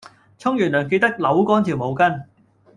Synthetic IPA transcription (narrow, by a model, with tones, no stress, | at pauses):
t͡sʰʊ˥ŋjyː˨˩nlœː˨˩ŋke˧jt̪ɐ˥k̚lɐ˨˥wkɔː˥nt̪ʰi˨˩wmo˨wkɐ˥n